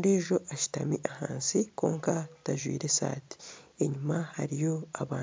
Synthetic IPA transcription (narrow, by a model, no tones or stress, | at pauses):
nde̞ːʒo̞ʔaʃi̥tamiʔahaːnsiko̞̰ːŋkataʒwḭːɾe̞sa̰ːti̥eɲumahaɾijo̞aβaː